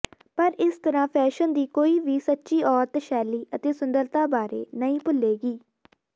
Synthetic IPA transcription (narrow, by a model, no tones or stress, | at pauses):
pəɾɪst̪əɾãːpʰɛːʃənd̪iːkoːiːʋiːsətːʃiːʔɔːɾt̪ʃɛːliːʔət̪eːsʊnd̪əɾt̪aːbaːɾḛːnəĩːpʊlːeːɡiː